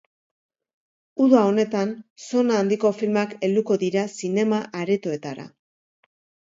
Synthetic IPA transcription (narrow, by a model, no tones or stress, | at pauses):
uðao̞ne̞t̪anso̞naːnd̪iko̞filmake̞ld̪uko̞ðiɾasine̞maʔaɾet̪o̞e̞t̪aɾa̰